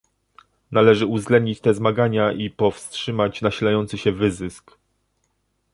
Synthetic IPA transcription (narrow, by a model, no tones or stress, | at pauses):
nalɛʐɘuvzɡlɛnd̪ɲit͡ɕt̪ɛzmaɡaɲaʔipɔfstʂɘmat͡ɕnaɕilajɔnt̪sɘɕɛvɘzɘsk